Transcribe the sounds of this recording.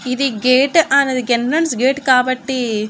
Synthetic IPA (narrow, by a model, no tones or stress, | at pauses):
id̪iɡeːʈʔɐnːɐd̪uɡenɾɐɳsɡeːʈkaːbɐʈːi